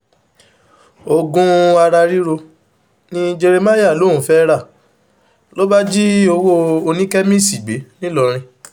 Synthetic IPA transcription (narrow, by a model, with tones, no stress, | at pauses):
o˧ɡũ˦a˧ɾa˧ɾi˦ɾo˧ | nĩ˦d͡ʒe˧ɾe˧ma˦ja˦˨lo˨˦˨ũ˨˦fɛ˦ɾa˦˨ | lo˦ba˦d͡ʒi˦o˧wo˦o˧nĩ˦kɛ˦mĩ˦˨si˨ɡ͡be˨˦nĩ˦lɔ˧ɾ̃ĩ˧